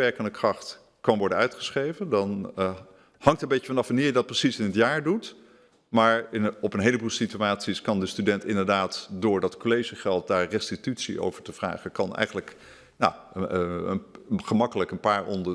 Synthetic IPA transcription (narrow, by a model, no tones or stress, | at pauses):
ɛɹkəndəkrɑχt | kɑnʋɔɹdənœɥtχə̥sχejvəndɑn | hɑŋtəmbejəfɑnɑfʋəniːɹjədɑt̚prəsisɪnɦətjaːɹdut | maːɹɪnɔpənɦejləbuːlˠsityaːtsiskɑndəstydɛntɪndəɹdaːtdʊːɹdɑtkolejʒəχɛlˠt̚daːɹrɛstitytsḭʔo̰wv̥əɹtəv̥ra̰ːχəkɑnɛ̰jχənlək | na̰ | χəmɑkələkənpaːɹɔ̰ndə